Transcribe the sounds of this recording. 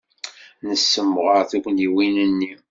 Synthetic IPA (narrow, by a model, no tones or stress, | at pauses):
nəsːəmːʁəɾθukʷniwinənːi